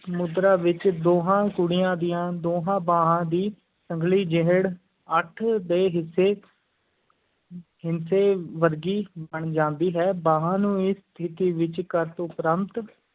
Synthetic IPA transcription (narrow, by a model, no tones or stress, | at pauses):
səmʊd̪ɾaːʋɪt͡ʃd̪oːɦãːkʊɽijãːd̪ijãːd̪oːɦãːbaːɦãːd̪iː | səŋɡliːd͡ʒeɦəɽ | əʈʰd̪eːɦɪsːeː | ɦɪnseːʋəɾɡiːbəɳd͡ʒãːnd̪iːɦɛːbãːɦãːnũːɪst̪ʰɪt̪iːʋɪt͡ʃkəɾt̪ʊpɾəmt̪